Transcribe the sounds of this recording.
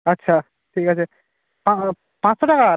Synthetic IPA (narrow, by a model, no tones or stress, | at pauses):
ɐtːʃʰa | ʈʰikət͡ʃʰe | pã | pãt͡ssɔʈaka